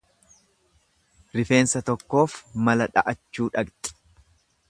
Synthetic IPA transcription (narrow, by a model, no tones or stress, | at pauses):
ɾɪfe̞ːnsɐt̪ɔkːo̞ːfmɐlɐᶑɐ̰ʔɐt͡ʃːuːᶑɐkt̪ʼɪ̥